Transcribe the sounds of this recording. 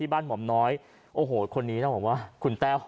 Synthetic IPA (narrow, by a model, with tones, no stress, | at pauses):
iː˥˩baː˥˩nmu˩˦mnɔː˦˥j | ʔoː˧˩ɦoː˨˩kʰo˧nːiː˦˥na˥˩bɔː˨˩k̚waː˥˩kʰu˧˩nt̪ɛː˥˩w